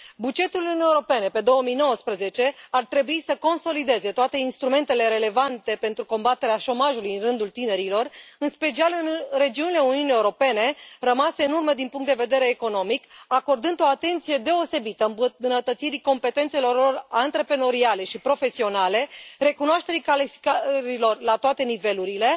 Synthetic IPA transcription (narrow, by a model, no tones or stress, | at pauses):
bud͡ʒe̞t̪uluunewɾo̞pe̞ne̞pe̞d̪o̞wəmijno̞wəspɾəze̞t͡ʃe̞art̪ɾe̞buisəko̞nso̞lid̪e̞ze̞t̪oat̪e̞inst̪ɾume̞nt̪e̞le̞ɾe̞le̞vant̪e̞pe̞nt̪ɾuko̞mbat̪e̞ɾeaʃo̞maʒulujɨnrɨnd̪ult̪ine̞ɾilo̞rɨnspe̞t͡ʃialɨnre̞d͡ʒiunile̞uniunie̞wuɾo̞pe̞ne̞rəmase̞ɨnurməd̪inpuŋkt̪d̪eved̪e̞ɾe̞ːko̞no̞mikako̞rd̪ɨnd̪o̞at̪e̞nt̪sije̞d̪e̞o̞se̞bit̪əmnət̪ət̪siɾiko̞mpe̞t̪e̞nt̪se̞lo̞rlorant̪ɾepɾeno̞ɾiale̞ʃipɾo̞fe̞sio̞nale̞re̞kunoaʃt̪e̞ɾikalifi̥kaɾilo̞rlat̪oat̪e̞nive̞luɾile̞